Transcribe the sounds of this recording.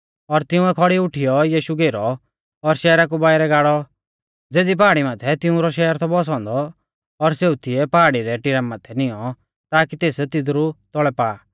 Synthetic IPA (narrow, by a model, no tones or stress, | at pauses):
ɔɾt̪ɪʊ̃ɛkʰɔɽiʊʈʰijɔjiːʃuɡeːɾɔ | ɔɾʃɛːɾak̬ubaːɪɾɛɡaːɽɔ | d͡zeːd̪ip̬aːɽimaːt̪ʰɛt̪ɪ̃ʊ̃ɾɔʃɛːɾt̪ʰɔbɔs̬ɔ̃ːnd̪ɔː | ɾseːut̪ʰɪɛpaːɽiɾɛʈɪɾamːaːt̪ʰɛnɪjɔ | t̪aːkit̪eːst̪ɪd̪ɾut̪ɔɭɛpaː